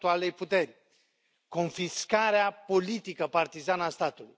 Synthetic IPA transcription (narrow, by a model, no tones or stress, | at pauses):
t̪ualejput̪e̞rʲ | ko̞nfiskaɾeapo̞lit̪ikəpart̪izanəast̪at̪ulṵj